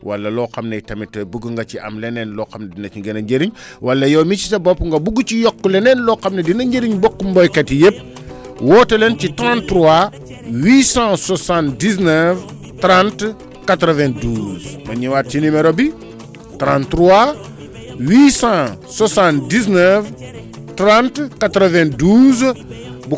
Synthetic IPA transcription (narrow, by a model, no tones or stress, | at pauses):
wa̰lːaloqamnaitɐmitːobuɡuŋɡat͡ʃiʔa̰mlenenlokamnadinat͡ʃiŋɡenaɲɟeɾiɲ | walːɐjomit͡ʃisabopuŋɡabuɡut͡ʃijokːulenenloqamnɐdinaɲɟeɾiɲbokːumbojketijep̚ | wotelent͡ʃitɾãntɾua | wisãsosãndis̬nev | tɾãnt | katɾovẽnduzma̰ɲiwat̚t͡ʃinimeɾobi | tɾãntɾua | wisã | sosãndisnev | tɾãntkatɾovẽnduzbu